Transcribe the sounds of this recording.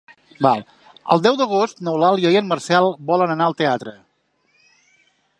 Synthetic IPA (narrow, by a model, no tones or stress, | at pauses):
balˠ | ə̰lˠd̪ɛwðəɣ̞ost̪nəwlalˠjəjənmərsɛlˠbɔlənənaəlˠt̪eat̪ɾə